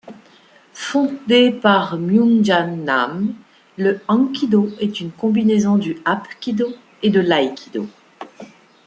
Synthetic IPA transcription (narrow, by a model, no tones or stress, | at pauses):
fɔ̃d̪epaʁmjunʒana̰m | ləɑ̃kʲid̪oɛt̪ynkɔ̃binezɔ̃d̪yapkʲid̪o | ed̪əlajkʲʰid̪o̰